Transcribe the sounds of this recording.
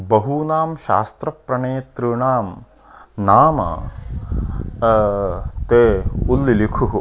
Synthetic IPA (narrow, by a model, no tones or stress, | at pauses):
bɐɦunaːmʃa̰ːst̪ɾɐpɾɐɳeːt̪ɾuɳaːm | naːmɐ̰ | t̪eːulːilikʰuɦ